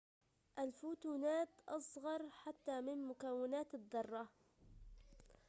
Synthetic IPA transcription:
ʔalfuːt̪uːnaːt̪ʔɑsˤɣɑɾˤħat̪ːaːmɪnmʊkawːɪnaːt̪ɪd̪ˤːɑrˤːɑ

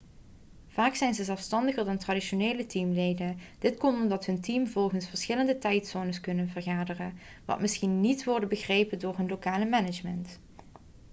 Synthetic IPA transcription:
v̥aːksɛjnzəzɛlˠfstɑndəχərdɑntradiʃoneːlətimlejdənd̥ɪtkɔntɔmdɑtɦɵntimvɔlˠχənsfəɹsχɪləndətɛjtsoːnəskɵnənvərχaːdərən | ʋɑ̰tmɪsχinːitʋɔɹdəbəɣrejpəndʊːɹɦɵnlokaːləmɛnɪd͡ʒmənt

